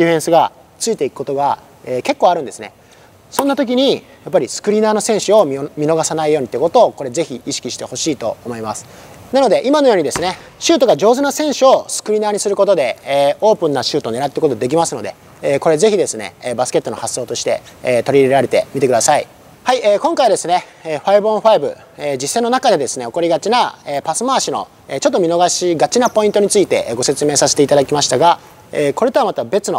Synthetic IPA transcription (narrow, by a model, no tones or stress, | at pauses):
d̪ʲiɸẽɰ̃sɨɡa | t͡sɨit̪e̞ikɯ̥kot̪o̞ɡa | eːke̞kːo̞ːaɾɯ̟̃nd̪e̞sɨne̞̰ | sõ̞nːat̪o̞k̬ʲiɲ̟i | jap̬ːaɾʲisɨ̥kɯ̟ɾʲinaːno̞sẽ̞ɰ̃ɕɨo̞mʲino̞ɡasanaijo̞ːɲ̟it̪ːeɯkot̪o̞ːko̞ɾe̞ze̞çiiɕi̥kʲiɕi̥t̪e̞ho̞ɕiːt̪o̞̰omo̞imasɨ̥ | nano̞d̪e̞ʔimano̞joːɲ̟id̪e̞sɨne̞ | ɕɨːt̪o̞ɡad͡ʑo̞ːzɨnasẽɰ̃ɕɨo̞sɨ̥kɯ̟ɾʲinaːɲ̟isɨɾɯ̟ko̞t̪o̞d̪e̞ːo̞ːpɯ̟̃nːaɕɨːt̪oːne̞ɾat̪ːeɯkot̪od̪ek̬ʲimasɨno̞d̪e̞̰ | eːko̞ɾe̞ze̞çid̪e̞sɨne̞̰ːbasɨ̥ke̞t̪ːo̞nohasːo̞ːt̪o̞ɕi̥t̪e̞̰ːt̪o̞ɾʲiːɾeɾaɾe̞t̪e̞mʲit̪e̞kɯ̟d̪asai | haiʔeːkõ̞ŋkaid̪e̞sɨne̞ | eːɸaibõɸaibɯ̟̰ | eːd͡ʑisːẽ̞nːo̞nakad̪e̞d̪e̞sɨne̞o̞ko̞ɾʲiɡat͡ɕinaeːpasɨmaːɕino̞̰ | eːt͡ɕot̪ːomʲino̞ɡaɕiːɡat͡ɕinapo̞ĩnt̪o̞ɲ̟it͡sɨit̪e̞̰ʔɡo̞se̞t͡sɨme̞ːsase̥t̪e̞it̪ad̪akʲimaɕi̥t̪aɡa | eːko̞ɾe̞t̪oamat̪abe̞t͡sɨno̞